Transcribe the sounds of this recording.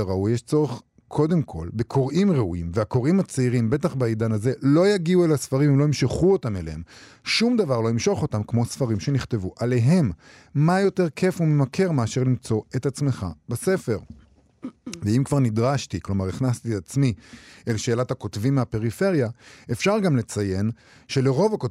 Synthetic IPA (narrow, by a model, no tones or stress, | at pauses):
ʁaujjeʃt͡so̞ʁeχ | kʰo̞d̪e̞mkʰo̞lbekʰo̞ʁimʁeuimveako̞ʁimat͡seiʁimbe̞t̪aχbaid̪anaze̞lo̞jaɡiuelhasfaʁimemloimʃeχuotameleem | ʃumd̪avaʁloimʃo̞χo̞t̪amkmo̞sfaʁimʃe̞niχt̪e̞vuʔale̞ɦe̞mː | ajo̞te̞ʁkʰe̞fume̞makʰe̞ʁmeaʃeʁlimt͡so̞e̞t̪at͡sme̞χa̰base̞fe̞ʁ | veimkvaʁnid̪ʁaʃtiklo̞maʁiχnast̪iat͡smielʃe̞ːlathako̞tvimːape̞ʁife̞ʁjaefʃaʁɡamle̞t͡saje̞n | ʃe̞leʁo̞vako